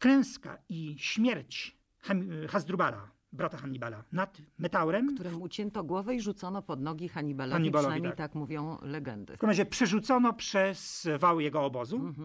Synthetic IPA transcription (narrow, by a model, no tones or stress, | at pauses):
klɛ̃w̃ska̰iɕmʲjɛɾt͡ɕ | xaxazd̪ɾubala̰ | bɾat̪axaɲibala̰nat̪mɛt̪awɾɛmkt̪uɾɛut͡ɕɛnt̪ɔɡwɔvɛiʐut̪sɔnɔpɔd̪nɔɡʲixaɲibalaɲibanamʲejt̪akmuvʲjɔ̃w̃lɛɡɛ̰nd̪ɘ̰kmɾad͡ʑɛpʂɛʐut̪sɔnɔpʂɛsvawjɛɡɔːbɔzu